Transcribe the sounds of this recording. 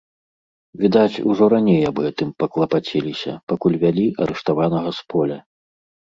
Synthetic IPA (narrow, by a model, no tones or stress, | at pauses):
vʲid̪at͡sʲṵʐɔɾanʲejabɨɛt̪ɨmpɐklˠɐpat͡sʲelʲisʲɐ̰pakulʲvʲalʲiʔɐɾɛʂt̪avanɐɣɐspɔlʲɐ